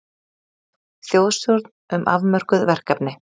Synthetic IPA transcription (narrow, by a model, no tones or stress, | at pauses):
θjowðsɔɾt̪nʏmʔa̰vmœɾ̥kʏðvɛr̥kapnɪ